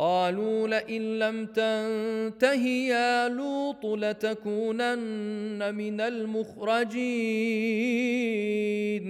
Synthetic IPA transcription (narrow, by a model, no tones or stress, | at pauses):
qɑːluːlɪʔɪnlamt̪ant̪aɦɪjaːluːt̪ˤlat̪akuːnanːamɪnalmʊxɾˤɑd͡ʒiː | n